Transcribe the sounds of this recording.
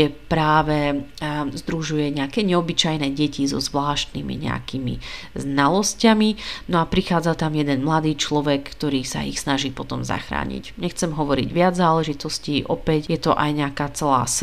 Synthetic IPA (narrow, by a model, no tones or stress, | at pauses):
ɛpɾaːʋɛ | zd̪ɾuʒujɛɲɛakɛɲɛɔbit͡ʃajnɛɟɛcizɔ̰zʋlaːʃt̪nḭmḭɲɛ̰a̰kimḭznalɔscaminɔapɾixaːd͡zat̪amjɛd̪ɛnmlad̪iːt͡ʃlɔʋɛkːt̪ɔɾiːsa̰ḭxsnaʒiːpɔt̪ɔmza̰xɾa̰ːɲḭcɲɛxt͡sɛmɦɔʋɔɾḭɟʋɪad͡zzaːlɛʒit̪ɔsciːʔɔpɛcjɛt̪ɔʔa̰jɲɛakaːt͡sɛla̰ːs